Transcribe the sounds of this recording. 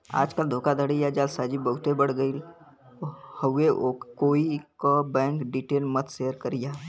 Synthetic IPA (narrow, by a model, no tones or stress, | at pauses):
a̰ːd͡ʒkəld̪ʱoːkad̪ʱəɽijad͡ʒaːlsaːd͡ʒibəɦʊt̪ebɐɽɡəil | ohəeʔokkoːikabɛ̃ːŋkɖiːʈeːlmət̪seːəɾkəɾɪjaː